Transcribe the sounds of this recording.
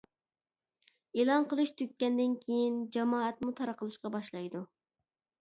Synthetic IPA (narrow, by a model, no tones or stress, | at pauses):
elˠɑnqəlˠɨʃt̪ʰøk̚ʲːɛnd̪ɪnkʲʰejind͡ʒɑmɑːɛt̪̚mut̪ʰɑɾəqʰəlˠɨʃqɑbɑʃlˠɑjd̪u